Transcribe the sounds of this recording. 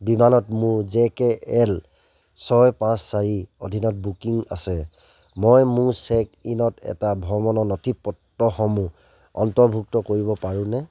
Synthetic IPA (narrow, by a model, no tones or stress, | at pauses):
bimanɔtmʊɹzɛkɛʔɛl | sɔjpãsːaɹiodʱinɔt̚bukiŋa̰sɛ | mɔjmʊɹsɛkinɔtɛ̰tabʱɔmɔnɔnɔtʰipːɔtːɔxɔmu | ɔ̰ntɔɹbʱuk̚tɔkoɹibɔpaɹũnɛ